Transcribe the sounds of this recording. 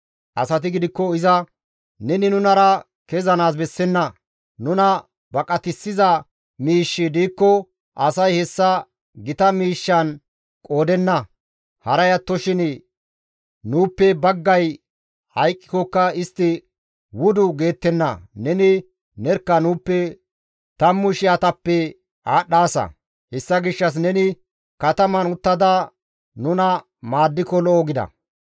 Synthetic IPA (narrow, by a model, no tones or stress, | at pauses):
ʔɐsɐt̪̬ɪɡɪd̪ɪkːɔɪzɐ | nɛnɪnʊnɐɾɐ | kezɐnaːs̬bɛsːɛnːɐ | nʊnɐ | bɐkʼɐt̪ɪsːɪzɐ | miːʃːɪd̪iːkːɔ | ʔɐsɐjhɛsːɐ | ɡɪt̪ɐmiːʃːɐn | kʼo̞ːd̪ɛnːɐ | hɐɾɐjɐt̪ːɔʃɪn | nuːpːɛbɐɡːɐj | hɐjkʼːɪkɔkːɐɪst̪ːɪ | wʊd̪ʊɡe̞ːt̪ːɛnːɐ̰nɛnɪ | nɛɾkːɐnuːpːɛ | t̪ɐmːʊʃɪjɐt̪ɐpːɛ | aːɗːaːsɐ̰ | hɛsːɐɡɪʃːɐs̬nɛnɪ | kɐt̪ɐmɐnʊt̪ːɐd̪ɐ | nʊnɐ | maːd̪ːɪkɔlɔʔɔɡɪd̪ɐ̰